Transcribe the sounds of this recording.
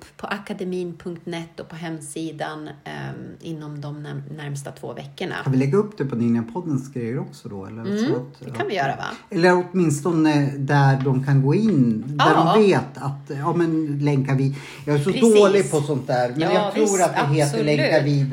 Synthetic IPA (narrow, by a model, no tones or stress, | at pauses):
pʰɔʔakad̪ɛmiːnpʰɵŋk̚t̪nɛt̪ːɔpʰɔɦɛmːsiːd̪an | ɪnːɔmd̪ɔmnæɾmst̪at̪ʰvo̰ːvɛ̰kːəɳa̰anvɪlɛɡːaɵpːd̪̥ɛpʰɔnɪnɪapʰɔd̪ːənsɡɾɛjəɾɔksɔd̪ɔ̰ɛ̰lːəɾst̪ɛkʰːanvɪjœːɾa̰a̰ɛlːəɾɔt̪mɪnst̪ɔnəd̪æɖɔmkʰanɡoːɪnːd̪æɖɔmveːt̪at̪ɑːmɛnlɛŋkaɾvɪ | jɑːɡæʂɔd̪oːlɪɡ̚pʰɔsɔnt̪̚d̪æːɾmɛnjɑːɡt̪ʰɾuːɾat̪̚d̪ɪɦeːlt̪ːɔlɛŋaɾviːd̪